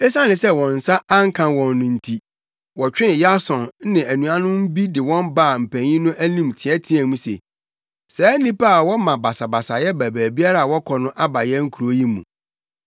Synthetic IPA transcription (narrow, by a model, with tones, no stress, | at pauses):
e˦sã˦nɪ̃˨sɛ˦wɔ̃˨n̩˨sa˦a˦ŋ̩˦kʰã˨wɔ̃˨nːʊ̃˨n̩˨tʰi˨ | wɔ˨t͡ɕᶣɪ̃˦n˨ja˦sɔ̃˨n˦nɪ̃˨æ˨nũ˨a˦nʊ̃˦m̩˦bi˦dɪ˨wɔ̃˦mba˦˨m̩˨pʰæ̃˨ɲĩ˦nʊ̃˦ʔæ˦nĩ˦˨mtʰɪ˨ɛ˦tʰɪ˦æ˨mũ˦sḛ˨ | sɛ˨˦nĩ˦pa˦a˨wɔ˦mã˨ba˨sa˨ba˨sa˨jɛ˦bæ˨bæː˨bi˦a˦ɾa˦˨a˨wɔ˦kʰɔ˨nʊ̃˦ʔa˦ba˨jɛ˦ŋ̩˦kʰu˨ɾo˦ji˦mṵ̃˨